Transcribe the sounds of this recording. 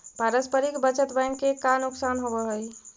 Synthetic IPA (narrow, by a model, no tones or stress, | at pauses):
paɾəspəɾikbət͡ʃət̪bajnkekanuksanɦobɔɦəj